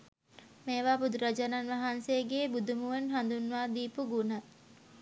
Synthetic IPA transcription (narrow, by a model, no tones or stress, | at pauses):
meːʋaːbud̪uɾəd͡ʒənanʋaɦanseəɡeːbud̪umuʋənɦand̪unːʋaːd̪iːpuɡunə